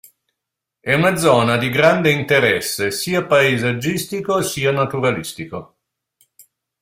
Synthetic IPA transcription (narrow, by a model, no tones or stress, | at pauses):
ɛunad̪zɔːnad̪iɡɾand̪eint̪eɾɛsːesiːapaezad͡ʒːist̪ikosiːanat̪uɾalist̪iko